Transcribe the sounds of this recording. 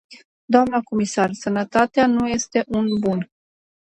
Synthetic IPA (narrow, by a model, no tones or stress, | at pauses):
d̪oamnəko̞misarsənət̪at̪eanuje̞st̪e̞ʔunbun